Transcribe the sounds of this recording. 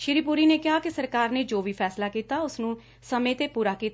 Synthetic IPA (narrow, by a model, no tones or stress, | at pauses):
ʃɪɾiːpuːɾiːneːkɪɦaːkɪsəɾkaːɾneːd͡ʒoːʋiːpʰɛːslaːkiːt̪aːʊsnũː | səmẽːt̪eːpuːɾaːkiːt̪